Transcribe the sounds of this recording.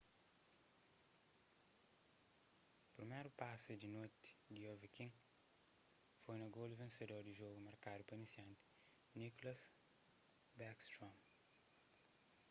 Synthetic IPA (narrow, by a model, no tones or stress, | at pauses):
pɾimejɾupasud̪inojt̪i̥d̪iovikĩŋ | fojnɐɡolivẽsed̪oɾd̪iʒoɡumɐɾkad̪upɐnisjɐ̃nt̪i̥ | niklɐs | bɛkst̪ɾõm